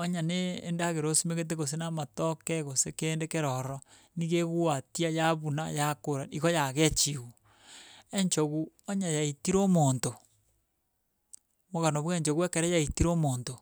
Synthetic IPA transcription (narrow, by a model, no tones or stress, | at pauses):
oɲanḛːndaɣeɾosimeɣet̬eɣos̬enamatokɛɣosekeːndekeɾɔɾɔ | niɣeɣuwatiajaβuna̰jakoɾaiɣojaɣet͡ʃiɣu | eɲt͡ʃoɣu | oɲajaitiɾomoːnto | moɣanoβweɲt͡ʃoɣuekeɾɛjaitiɾomonto